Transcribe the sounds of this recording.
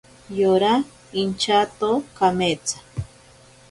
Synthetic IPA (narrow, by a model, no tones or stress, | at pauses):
joɾa | int͡ʃat̪okamet͡sḁ